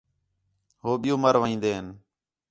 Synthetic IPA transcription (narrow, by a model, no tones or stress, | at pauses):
ɦoːɓɪjũːməɾʋaĩːnd̪eːɦən